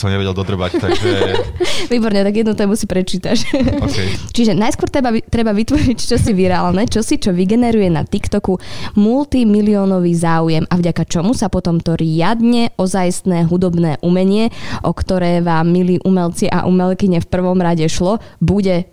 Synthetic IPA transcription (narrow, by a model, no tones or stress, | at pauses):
sɔmɲɛʋɛɟɛld̪ɔd̪r̩ʋact̪aʒɛ | ʋiːbɔɾɲɛt̪aɡjɛd̪nut̪ɛːmusipɾɛt͡ʃiːt̪at͡ʃːɛt͡ʃiʒɛnajskwɔɾt̪ɛbat̪ɾɛbaʋit̪ʋɔɾict͡ʃɔsiʋiɾaːlnɛt͡ʃɔsit͡ʃɔʋiɡɛnɛɾujɛna̰t̪ikt̪ɔkumult̪imiliɔnɔʋizaːujɛmavɟakat͡ʃɔmusapɔt̪ɔmt̪ɔɾjad̪ɲɛʔɔzajst̪nɛːɦud̪ɔbnɛːʔumɛɲɪɛʔɔkt̪ɔɾɛːʋaːmːiliːʔumɛlt͡siʔa̰ʔumɛlkiɲɛfpr̩ʋɔmɾaɟɛʃlɔbuɟɛ